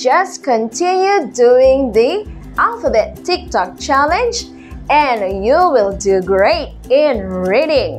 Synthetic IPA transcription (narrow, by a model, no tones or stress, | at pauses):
d͡ʒʌskə̃ntʰɪ̃njuduɪ̃ŋði | ʔalfəbɛtʰːɪk̚tɔk̚t͡ʃælɨ̃nd͡ʒ | ɛ̃njuwɪlˠduɡɹeɪɾ | ɪ̃nɹiɾɪ̃ŋ